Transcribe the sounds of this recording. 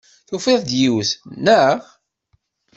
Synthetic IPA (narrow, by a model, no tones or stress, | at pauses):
θufeðˤd̪jiwəθnəʁ